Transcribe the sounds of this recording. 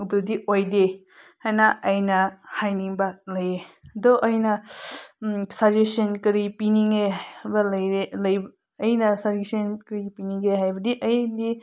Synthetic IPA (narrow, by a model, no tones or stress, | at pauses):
dudiojde | hajnɐɐjnɐhajniŋbɐlɐjeɐdɔʔɐjnɐ | sad͡ʒesɐnkɐɾipiniŋebɐlɐjɾelɐjbː | jnɐsad͡ʒesɐnkɾipiniŋɡeɦajbɐdiʔɐjdi